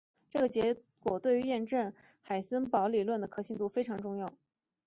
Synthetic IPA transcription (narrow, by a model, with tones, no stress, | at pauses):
ʈ͡ʂɤ˥˩ɡə˩t͡ɕjɛ˧˥ | kwɔ˨˩t̪we˥˩y˧˥jɛ˥˧nʈ͡ʂə˥˩n | xa˨˩ɪsə˥npɑ˧˥ʊli˨˩lwə˥˩nd̪ə˩kʰɤ˥ɕi˥˧ŋt̪u˥˩fe˥ɪʈ͡ʂʰɑ˧˥ŋʈ͡ʂʊ˥˧ŋjɑ˥˩ʊ